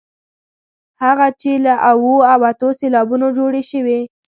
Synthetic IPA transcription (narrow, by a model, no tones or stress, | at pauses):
haɣat͡ʃelaʔawoawat̪oselɑbunod͡ʒoɽeʃəwe